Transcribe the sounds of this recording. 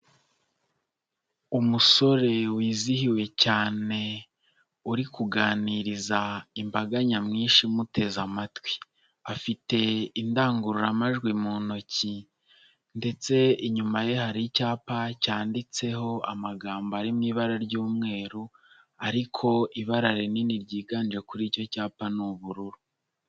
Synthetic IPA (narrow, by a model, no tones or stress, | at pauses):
umuso̞ɾe̞wiːzihiwe̞caːne̞ | uɾikuɡaːniɾizaimbaɡaɲamŋiːnʃimute̞zamatwi̥ | afite̞indaːŋɡuɾuɾamaʒɡwimono̞ci | nde̞t͡se̞iɲumaje̞haɾicaːpacaːndit͡se̞ho̞a̰maɡaːmboaɾimŋiβaɾaɾɟuːmŋe̞ːɾu | aɾikʰo̞ʔiβaɾaɾeniːndiɾɟiːɡaːnid͡ʒe̞kuɾiːco̞caːpanuβuɾuɾu